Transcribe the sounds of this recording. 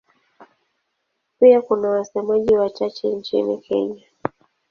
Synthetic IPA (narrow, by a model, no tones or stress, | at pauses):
piakunawasɛmaʄiwat͡ʃat͡ʃɛnt͡ʃḭnḭkɛ̰ɲa